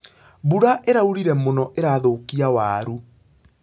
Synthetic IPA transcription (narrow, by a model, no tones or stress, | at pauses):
βuɾaʔeɾauɾiɾɛmonɔʔeɾaːðokiawaːɾu